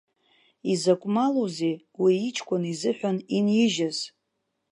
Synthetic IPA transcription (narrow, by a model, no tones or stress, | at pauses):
izakʷʼmalozej | wiːt͡ʃʰʼkʷʼʊnizɨħʷᶣaninjɪʒaz